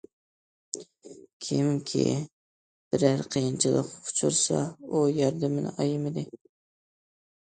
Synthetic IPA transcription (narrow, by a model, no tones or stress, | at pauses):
kʲʰɪmkʲʰḭ | b̥ɪɾæɾqʰəjɨnt͡ʃʰɨlˠə̰qʰʊ̥t͡ʃʰuɾsɑ̰ujɑɾd̪ɪmɪn̰ɑjɪmɪd̪ɪ